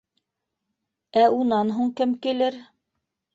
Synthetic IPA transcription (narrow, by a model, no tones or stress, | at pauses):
æunɑnɦuɴkɘmkilɘɾ